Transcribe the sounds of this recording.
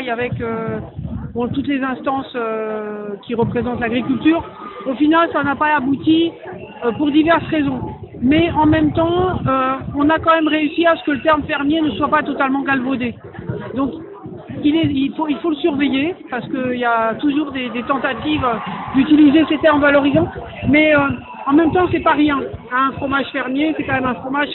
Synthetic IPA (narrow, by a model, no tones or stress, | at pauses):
javɛkø | bɔ̃t̪ut̪lezɛ̃st̪ɑ̃sø | kʲiʁəpχezɑ̃t̪laɡʁikʲylt̪yːʁ | ofinalsanapaabut̪i | øpuʁd̪ivɛʁsʁezɔ̃mɛɑ̃mɛmt̪ɑ̃øɔ̃nakɑ̃mɛmʁeysiasə̥kələt̪ɛʁmfɛʁmjenəswapat̪ɔt̪almɑ̃ɡalvod̪e | d̪ɔ̃k | ilɛilfoilfoləsyʁvejepaʁsə̥kəiljat̪uʒuʁd̪ed̪et̪ɑ̃t̪at̪ivød̪yt̪ilizeset̪ɛʁmvalɔʁizɑ̃ | mɛø | ɑ̃mɛmt̪ɑ̃sɛpaʁjɛ̃ɛ̃ɛ̃fχɔmaʒfɛʁmjesɛkɑ̃mɛmɛ̃fχɔmaʒ